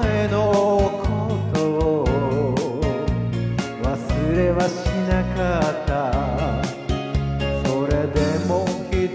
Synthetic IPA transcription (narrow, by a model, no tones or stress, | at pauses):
enokʰot̪o | βasɨɾe̞βaɕinakat̪ːa | soɾe̞d̪e̞mokʲi